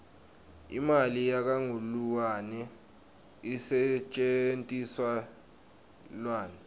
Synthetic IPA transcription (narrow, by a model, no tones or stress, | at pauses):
ḭmalijak̬aŋuluwanɛ | isɛt͡ʃʼentʼiswa | lwaːnɛ